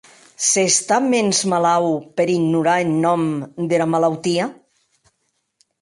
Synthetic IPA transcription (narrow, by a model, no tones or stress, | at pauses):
sest̪amenzmalawpeɾiɡnuɾaenːɔmd̪elamalawt̪ia